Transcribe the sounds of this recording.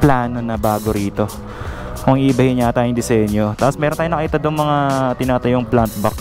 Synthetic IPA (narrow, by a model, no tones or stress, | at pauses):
plaːno̞nɐbaːɡoɾiːt̪o̞ | koŋibɐhɪɲat̪aːjʊŋd̪ɪsɛɲjot̪aːposmɛːɾnt̪aːjoɐkiːt̪ɐd̪ʊŋmɐŋat̪ɪnaːt̪ɐjʊŋplant̪̚bɐk